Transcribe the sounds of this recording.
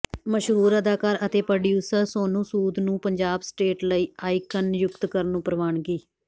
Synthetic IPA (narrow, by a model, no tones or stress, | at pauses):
məʃɦuːɾəd̪aːkaːɾət̪eːpɾɖjuːsəɾsoːnũːsuːd̪nũːpəɲd͡ʒaːbsʈeːʈləiːaːiːkənjʊkt̪kəɾnũːpɾəʋaːɳɡiː